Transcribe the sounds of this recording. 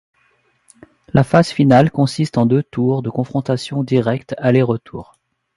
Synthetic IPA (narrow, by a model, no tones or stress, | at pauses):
lafaz̥finalkɔ̃sist̪ɑ̃d̪øt̪uʁd̪əkɔ̃fχɔ̃t̪asjɔ̃d̪iʁɛkt̪aleʁət̪ʰuːʁ